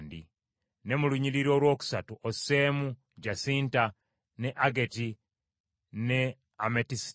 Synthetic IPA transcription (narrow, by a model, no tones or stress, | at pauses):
ndi | ne̞muluɲiɾiɾo̞ːlwo̞ːku̥satuʔoseːmu | ɟasiːnta | ne̞ʔaɡe̞ti | ne | ametis